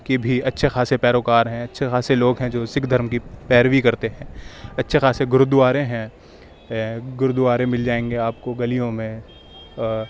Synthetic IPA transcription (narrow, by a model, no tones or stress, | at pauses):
kebʱiɐtːʃʰexaːsepɛːɾoːkaːɾɦɛ̃ɐtːʃʰexaːseloːɡɦɛ̃d͡ʒoːsɪkd̪ʱɐɾmkipɛːɾʋikɐɾt̪eɦɛ̃ːɐtːʃʰexaːseɡʊɾd̪ʊaːɾẽɦɛ̃ | ɡʊɾd̪ʊaːɾẽmɪld͡ʒaːẽːŋɡeaːpkoɡɐlijõmẽ